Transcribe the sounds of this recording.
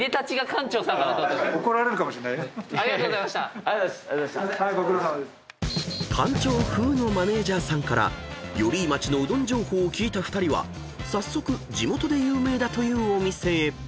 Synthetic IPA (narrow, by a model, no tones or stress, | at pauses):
d̪e̞t̪at͡ɕiɡakʰãɲt͡ɕoːsãŋkaɾat̪oeokoɾaɾe̞ɾɯ̟kamoɕinaiaɾʲiɡat̪oɣzamaɕa | okɯɾosa | kʰãɲ̟t͡ɕo̞ːɸɯ̟ːno̞mane̞ːʑaːsãŋkaɾa̰jo̞ɾʲiːmat͡ɕino̞ɯ̟d̪õ̞ɲ̟d͡ʑo̞ːho̞ːkʲiːt̪aɸɯ̟̥t̪aɾʲiβa̰ | sasːo̞kɯ̟d͡ʑimo̞t̪o̞d̪e̞jɯːme̞ːd̪at̪o̞jɯ̟ːo̞mʲise̞ː